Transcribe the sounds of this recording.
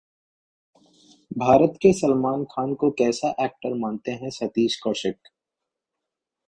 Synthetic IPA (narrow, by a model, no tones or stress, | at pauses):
bʱaːɾət̪kesəlmaːnkʰaːnkokɛːsaʔɛːk̚ʈəɾmãːnt̪eɦɛ̃sɐt̪iːʃkɔːʃɪk